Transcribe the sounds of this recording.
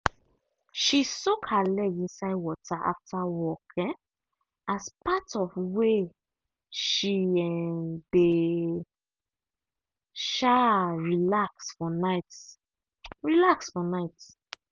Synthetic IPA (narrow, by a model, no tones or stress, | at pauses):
ʃisokʰalɛɡĩnsaɪwɔtʰaʔa̰ftawɔkʰɛ̃ | aspatɔfwe | ʃiɛmde | ʃaɹilaksfɔnaɪt | ɹilaksfɔnaɪt